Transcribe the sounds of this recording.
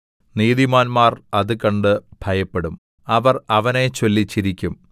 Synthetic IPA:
niːðimaːnmaːrɐðɨkɐɳɖɨb̥ʱɐjɐpːe̞ɽum | ɐʋɐrɐʋɐnet͡ɕolːit͡ɕːiɾikʲːum

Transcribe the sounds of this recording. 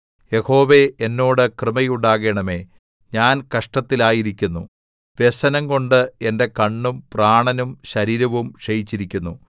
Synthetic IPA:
je̞ho̞ːʋe̞enːo̞ːɽɨkrɨmɐjuɳɖaːɣe̞ːɳɐme̞ː | ɲaːnkɐʂʈɐt̪ːilaːjiɾikʲːunːu | ʋe̞sɐnɐŋko̞ɳɖɨe̞nde̞kɐɳːumpraːɳɐnumɕɐɾiːɾɐʋumɕɐjit͡ɕːiɾikʲːunːu

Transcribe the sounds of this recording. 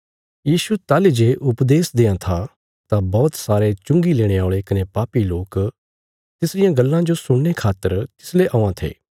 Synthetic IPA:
jiːsut̪aːled͡ʒeːʔʊpd̪eːsd̪ẽːãt̪ʰa | t̪ãbɔːt̪saːɾet͡ʃʊ̃ŋɡileːɽ̃eaːɭekɐnepaːpiloːk | t̪ɪsɾɪjãɡɐlːãd͡ʒosʊɽ̃nekʰaːt̪ːəɾt̪ɪ̥sleʔɔːãt̪ʰḛː

